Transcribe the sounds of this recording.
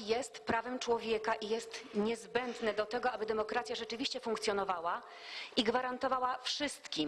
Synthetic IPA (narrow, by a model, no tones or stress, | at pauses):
jɛst̪pɾavɛmt͡ʂwɔvʲjɛkaʔijɛst̪ɲɛzbɛnd̪nɛd̪ɔt̪ɛɡɔabɘd̪ɛmɔkɾat̪sʲjaʐɛt͡ʂɘvʲiɕt͡ɕɛfuŋkt̪sʲjɔnɔvawa | ʔiɡvaɾant̪ɔvawafʂɘst̪kʲim